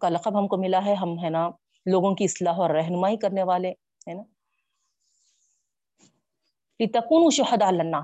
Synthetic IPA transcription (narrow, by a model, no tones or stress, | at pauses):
kalɐqəbɦɐmkomɪlaɦɛɦɐmɦɛna | loːɡõkiɪslaːɦɔːɾːɛɦnʊmaːikɐɾneʋaːle | hɛːna | lɪt̪ɐkuːnũːʃʊħɐd̪lɐnːaː